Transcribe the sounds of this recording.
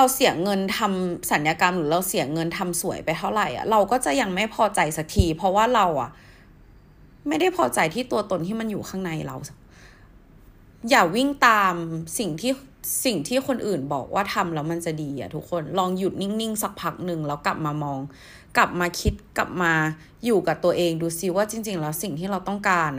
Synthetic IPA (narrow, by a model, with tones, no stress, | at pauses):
ɾa˧wsi˨˩˦ŋɤ˧nt̪ʰa˧msa˩˦njaː˧ka˧mɾɯː˩˦ɾa˧wsi˨˩˦ɐŋɤ˧nt̪ʰa˧msu˨˩˦jpa˧jt̪ʰa˥˩wɾa˨˩jʔa̰˨˩ɾa˧wkɔː˥˩t͡ɕa˨˩ja˧ŋma˥˩jpʰɔː˧t͡ɕa˧jsa˨˩k̚t̪ʰiː˧pʰɔ˧˦˥waː˥˩ɾa˧wʔa̰˨˩ʔ | ma˥˩jda˥˩jpʰɔː˧t͡ɕa˧jt̪ʰiː˥˩t̪u˧ɐt̪o˧nt̪ʰiː˥˩ma˧njuː˨˩kʰaː˥˩ŋna˧jɾa̰˧w | jaː˨˩k̚wi˥˩ŋt̪aː˧msi˨˩ŋt̪ʰiː˥˩si˨˩ŋt̪ʰiː˥˩xʰo˧nʔɯː˨˩nbɔ̰ː˨˩k̚waː˥˩t̪ʰa˧mlɛː˦˥wma˧nt͡ɕa˨˩diː˧ʔa̰˨˩t̪ʰu˦˥k̚ʰːo˧nlɔː˧ŋju˨˩t̪̚ni˥˩ŋni˥˩ŋsa˨˩k̚pʰa˦˥k̚nɯ˧ŋlɛː˦˥wka˨˩p̚maː˧mɔː˧ŋ | kla˨˩p̚maː˧kʰi˦˥t̪̚kla̰˨˩p̚maː˧ | juː˨˩ka˨˩t̪u˧ɐʔeː˧ŋduː˧si˧waː˥˩t͡ɕi˧ŋt͡ɕi˧ŋlɛː˦˥wsi˨˩ŋt̪ʰiː˥˩ɾa˧wt̪ɔ˥˩ŋkaː˧n